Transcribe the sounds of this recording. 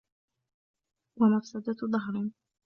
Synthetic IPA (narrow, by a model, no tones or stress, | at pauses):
wamafsad̪aðˤɑɦɾ